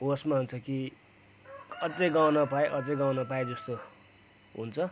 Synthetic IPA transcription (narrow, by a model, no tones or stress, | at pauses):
osmaɦunt͡sʰʌki | ʌd͡zejɡawnʌpajeʔʌd͡zʌjɡawnʌpajed͡zʌst̪o | ɦṵnt͡sʰʌ